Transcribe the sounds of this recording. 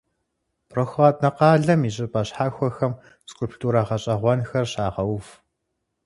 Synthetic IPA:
pʰroxʷaːtʼnɐqɑːɮɐmiɕʼɪpʼɐɕħaːxʷɔxɐm | skʼʊlpʰtʰʼuːɾaːʁɐɕʼɐʁʷɔnxɐrɕaːʁɐwf

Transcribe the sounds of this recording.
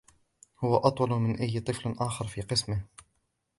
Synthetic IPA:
hʊwaʔɑt̪ˤwɑlmɪnʔajːt̪ˤɨflʔaːxɑɾfiːqɨsmɪh

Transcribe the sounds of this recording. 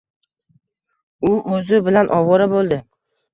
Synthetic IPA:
ʊʔɵzɪbɪlanʔɒwɒɾabolˠd̪ɪ

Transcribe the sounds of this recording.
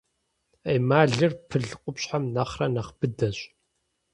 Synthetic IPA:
ejmaːɮɨrpʰɨɮqʷʼʊpɕħamnɐχrɐnɐχb̥ɨdɐɕʼ

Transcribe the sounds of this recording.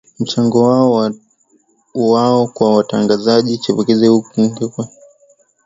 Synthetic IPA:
m̩t͡ʃaŋɡɔwaɔ | waɔkwawataŋɡazaʄit͡ʃɛpɔkɛzɛhukuŋ̩ɡɛkwɛ

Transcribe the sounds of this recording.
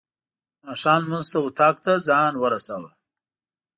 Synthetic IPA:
mɑːʂɑːnmuzt̪aʊt̪ʰɑːkt̪azɑːnwəɾasawa

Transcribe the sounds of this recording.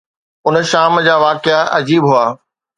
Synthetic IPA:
ʊnʃaːmd͡ʑaːʋaːkɪaʔɐd͡ʑiːbɦuaː

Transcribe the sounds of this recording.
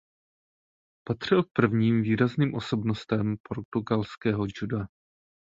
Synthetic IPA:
pat̪r̝̥ɪlk̚pr̩vɲiːmviːɾazniːmʔo̞so̞bnost̪ɛmpʰo̞ɾt̪uɡalskɛːɦod͡ʒudoa

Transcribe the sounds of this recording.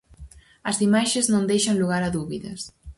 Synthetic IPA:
ɐzimaʃeznõnd̪ejʃɐŋluɣaɾɐðuβiðɐs

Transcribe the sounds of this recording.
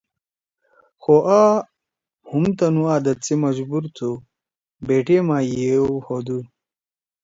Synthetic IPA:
xoʔaː | humt̪ɐnuaːd̪ɐt͡simɐd͡ʑbuɾt̪ʰu | beːʈemaːjeohod̪u

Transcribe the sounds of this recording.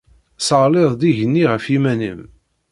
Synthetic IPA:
səʁleðˤd̪iʝənːiʁəfimænə̰m

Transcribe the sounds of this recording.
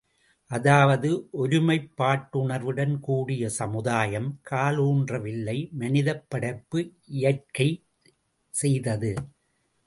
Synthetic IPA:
ʔɐðaːʋɐðɯʔɔɾɯmɐɪpːaːʈːʊɳɐʋɯɽɐnkuːɽɪjɐsɐmɯðaːjɐmkʰaːluːndrɐʋɪlːɐɪmɐnɪðɐpːɐɽɐɪpːɯɪjɐrkːɐɪ | sɛjðɐðɯ

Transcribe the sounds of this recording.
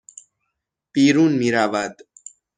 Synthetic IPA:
b̥iːɾuːnmiːɾaːvad̪

